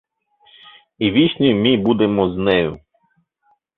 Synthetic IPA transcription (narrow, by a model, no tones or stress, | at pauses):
iʋʲiʃʲnʲijmɪbud̪emɔznɛjʊ